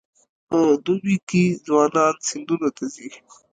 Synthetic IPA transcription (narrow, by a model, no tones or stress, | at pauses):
pəd̪ubikezwɑːnɑnsɪnd̪unat̪azi